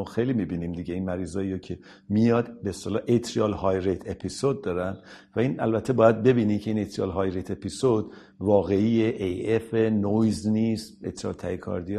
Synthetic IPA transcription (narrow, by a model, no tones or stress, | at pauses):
xejlimibiːniːmd̪iːɟeinmæɾiːzɒːiːɾocʰe̞ | mijɒːd̪beːst̪elɒːʔet̪ʰɾiɒlhɒjɾet̪ʰe̞pʰisod̪̚ːɒːɾænd̪̥væiːnʔæ̰lbæt̪ʰːe̞bɒːjæd̪̚be̞biːniːcʰeiːnet̪ɾiɒ̰lɦɒjɾet̪ʰe̞pʰisod̪ | vɒːɣe̞ijeʔejefenojzniːst̪et̪ɾiɒ̰lt̪ʰæikʰɒ̰ɾd̪ij